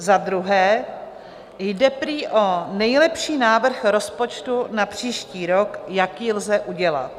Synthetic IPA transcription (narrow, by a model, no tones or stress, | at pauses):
zad̪ɾuɦɛː | jdɛpɾiːʔo̞nɛjlɛpʃiːnaːvr̩xɾo̞spo̞t͡ʃt̪unapr̥iːʃciːɾo̞kjakjilzɛʔuɟɛla̰t̪̚